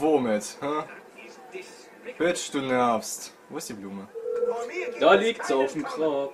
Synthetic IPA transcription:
vomɪthɛ | høtʃd̥uːnɛɐpstvoːɪsd̥iːbluːmə | d̥aːliːktsaʊfm̩kʰʁ̥aːk

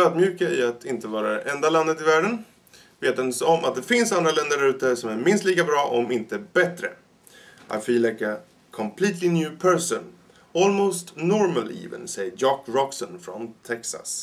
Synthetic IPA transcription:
œːd̪mjʉ̟ːkaɪat̪ʰɪnt̪əvɑːɾaɛʔɛnd̪aland̪ət̪ɪvæːɖən | veːt̪ɛnsɔmʔa̰t̪̚d̪ɛfɪnsand̪ɾalɛnd̪əɖaʉ̟ːt̪əsɔmæɾmɪnst̪liːkabɾɑːʔɔmɪnt̪əbɛt̪ɾə̰ | ʔa̰fiːlɛka | kʰɔmpʰliːt̪ʰlɪnjʉːpʰɛɹsɔn | ɔːlmoːst̪nɔɾməlḭːvə̰nsɛjjɑːkɾɔksɔnfɾɔnt̪ʰɛksa̰s

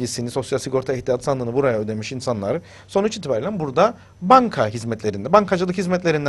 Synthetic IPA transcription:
isiniso̞sjalsiko̞ɾt̪ʰaɛht̪ʰijat̪ʰɯsanlˠɯːnɯbuɾajaød̪e̞miʃinsanlˠaɾɯ | so̞nut͡ʃit̪ʰibaɾelʲænbuɾd̪a | baŋkʰaɦizmɛt̪lʲe̞ɾind̪ɛbaŋkʰad͡ʒɯlˠɯkhizmɛt̪lʲe̞ɾind̪

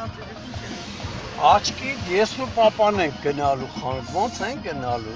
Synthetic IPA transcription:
ɑt͡ʃʰkitjɛsnupɑpɑnɛŋk̚ʰɡənɑluχɑnvɔnt͡sʰɛŋk̚ɡənɑlu

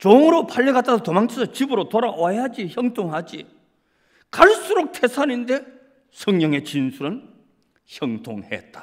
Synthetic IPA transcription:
t͡ɕoŋɯɾopʰaʎːiɡat͈asʰotomaŋt͡ɕʰisʰʌt͡ɕibɯɾotoɾawaead͡ʑiçjʌŋtʰoŋɦad͡ʑḭ | kaɭs͈uɾok̚tʰesʰaninde̞ | sʰʌŋɲʌŋe̞t͡ɕinsʰuɾɯn | çjʌŋtʰoŋhḛt̚t͈ḁ

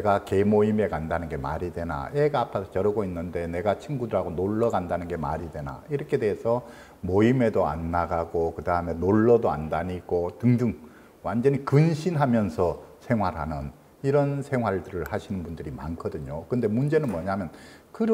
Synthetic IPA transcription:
eɡake̞moime̞kandanɯnɡe̞ma̰ɾidwe̞na̰eɡaːpʰaot͡ɕʌɾʌɡoinːɯnde̞ne̞ɡat͡ɕʰiŋɡudɯɾaɡonoɭːʌɡandanɯnɡe̞ma̰ɾidwe̞na̰iɾʌkʰe̞de̞ɦesʰʌ | moime̞doa̰nːaɡaɡokɯdaɦɯme̞noɭːʌdoa̰ndaɲiɡotɯŋdɯŋ | wand͡ʑʌɲikɯnɕʰinɦamjʌnsʰʌsʰe̞ŋɦwaɾɦanɯn | iɾʌnsʰe̞ŋɦwaɭdɯɾɯɭhaɕʰinɯnbundɯɾima̰nkʰʌdɯɲokɯɯnde̞mund͡ʑe̞nɯnmʌɲamjʌnkɯɾ

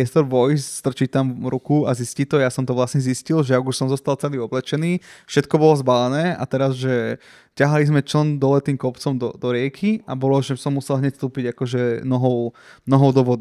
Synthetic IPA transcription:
ɛst̪ɔɾʋɔjsst̪r̩t͡ʃit̪amɾukuaziscit̪ɔjasɔmt̪ɔʋlasɲɛziscilʒɛaɡuʃsɔmzɔst̪alt͡sɛliːɔblɛt͡ʃɛniːfʃɛt̪kɔbɔlɔzbalɛnɛːa̰t̪ɛɾazʒɛ | caɦalizmɛt͡ʃlənd̪ɔlɛt̪iːmkɔpt͡sɔmd̪ɔd̪ɔɾɪɛkʰiabɔlɔʒɛsɔmːusɛlɦɲɛcst̪uːpiɟakɔʒɛnɔɦɔʊnɔɦɔʊd̪ɔʋɔd̪i

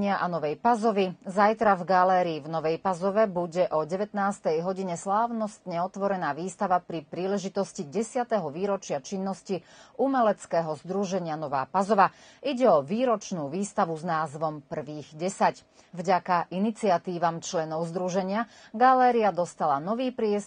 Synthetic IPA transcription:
ɪaʔanɔʋɛjpazɔʋizajt̪ɾavɡalɛːɾiːvnɔʋɛjpazɔʋɛbuɟɛʔɔɟɛʋɛt̪naːst̪ɛjɦɔɟiɲɛslaːʋnɔst̪ɲɛɔt̪ʋɔɾɛnaːʋiːst̪aʋapɾipɾiːlɛʒit̪ɔsciɟɛsɪat̪ɛɦɔʋiːɾɔt͡ʃɪat͡ʃinːɔsciʔumɛlɛt͡skɛːɦɔzd̪ɾuʒɛɲɪanɔʋa̰ːpazɔʋa | iɟɛɔʋiːɾɔt͡ʃnuːʋiːst̪aʋuznaːzʋɔmpr̩ʋiːɣɟɛsac | vɟakaʔinit͡siat̪iːʋamt͡ʃlɛnɔʊzd̪ɾuʒɛɲɪaɡalɛːɾiad̪ɔst̪alanɔʋiːpɾɪɛs

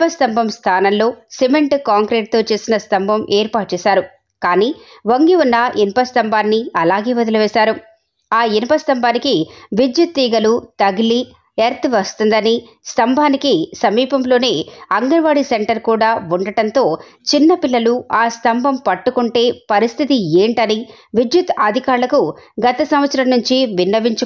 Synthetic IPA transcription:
pɐst̪ɐmbʱɐmst̪ʰaːnɐmloːsemeɳʈkaːŋkɾeːʈ̚t̪o̞ːt͡ʃe̞ːsinɐst̪ɐmbʱɐmʔeːɾpaːʈ̚t͡ʃeːsaːɾu | kaːniːʋɐŋɡiunːɐʔinpɐst̪ɐmbʱaːnːiɐlaːɡe̞ːʋɐd̪ɐluʋɛːsaːɾu | aːinipɐst̪ɐmbʱaːnikiʋid͡ʒjut̪ːiːɡɐlut̪ɐɡili | eɾt̪iʋɐst̪und̪ɐni | st̪ɐmbʱaːnikisɐmiːpɐmlo̞ːne̞ːɐŋɡɐnʋaːɽiseɳʈɐɾkuːɽaːuɳɖɐʈɐnt̪o̞ː | t͡ʃinːɐpilːɐluaːst̪ʰɐmbʱɐmpɐʈːukuɳʈe̞ːpɐɾist̪ʰit̪ieːɳʈɐni | ʋid͡ʒ̪jut̪aːd̪ʱikaːɾlɐkuɡɐt̪ɐsɐmʋɐt̪sɐɾɐmnuɲt͡ʃiʋinːɐʋiɲt͡ʃu

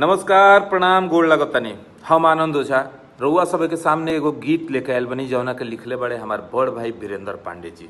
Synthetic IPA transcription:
nʌməskaɾpɾəɽ̃amɡoɽlaɡət̪ani | həmaːnənd̪ʱɦot͡ʃʰa | ɾəuɦasʌbʱʌjkesamneːɡoɡit̪lekajlbʌnid͡ʒʌ̃wnakelikʰlebaɽeɦəmaɾbəɽbʱajbiɾend̪əɾpa̰ɳɖed͡ʒi

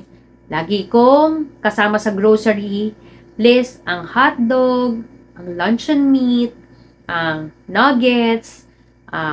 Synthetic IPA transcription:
laːɡikoŋkɐsaːmɐsɐɡɾowsɛɹi | plɛsʔɐŋhat̪̚d̪oɡ̚ | ʔɐŋlɐnt͡ʃɐnmit̪̚ | ʔɐŋnɐɡɛt̪s | ʔa

